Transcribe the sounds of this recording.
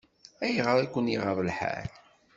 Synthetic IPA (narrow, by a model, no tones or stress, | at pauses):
æjʁəɾˤækʷːəniʁəɾˤəlħæ̰l